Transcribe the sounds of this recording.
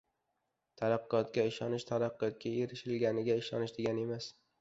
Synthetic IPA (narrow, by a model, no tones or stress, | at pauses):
t̪ʰaɾaqːɒt̪kʲaɪʃɒnɪʃt̪ʰaɾaqːɒt̪̚kʲʰaeɾɪʃɪlɡʲanɪɡʲaɪʃɒnɪʃd̪eɡʲane̞mas